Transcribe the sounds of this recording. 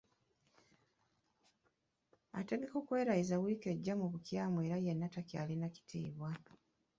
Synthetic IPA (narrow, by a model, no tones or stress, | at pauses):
ate̞ɡe̞ko̞ːkwe̞ːɾaizawiːke̞ɟːamuβukjaːmweːɾajenːatakjalinaci̥tʰiːβwa